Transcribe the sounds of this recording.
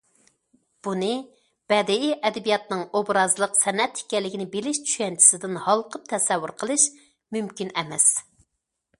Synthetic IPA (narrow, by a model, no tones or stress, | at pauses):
b̥unɨ | b̥ɛd̪ɪiʔɛd̪ɛbijɑt̪nɨŋobɾɑzlˠəqsɛnɛt̪hi̥kʲɛlːɪkʲinɪbelɪʃt͡ʃʰy̥ʃɛnt͡ʃʰi̥sɪd̪ɪnhɑlˠqʰəp̚t̪ʰɛsɛwːuɾqʰəlˠɨʃ | mymkʲinɛmɛs